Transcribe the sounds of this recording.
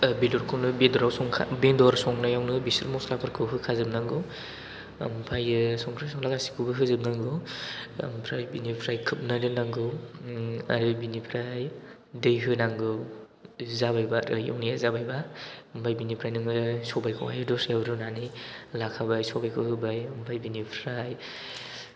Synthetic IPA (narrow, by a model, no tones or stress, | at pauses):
bidɔɾkʰɯnɯbedɔɾawsɔŋkʰa̰bendɔɾsɔŋnajawnɯbisɯɾmɔslapʰɯɾkʰɯwɦɯkʰazɯb̚naŋɡɯw̰ | mpʰajɯsɔŋpʰɾajsɔŋlaɡasi̥kʰɯbɯɦɯzɯb̚naŋɡɯ̰ | mpʰɾajbinipʰɾajkʰɯp̚nadɯnaŋɡɯw | a̰ɾɯbinipʰɾaj | dɯjɦɯnaŋɡɯw | zabajbaɾɯja̰wnijazabajbampʰajbinipʰɾajnɯŋɯsɔbajkʰɔŋa̰jɯdɔsewɾɯnanilakʰabajsɔbajkʰɯhɯbajampʰajbinipʰɾaj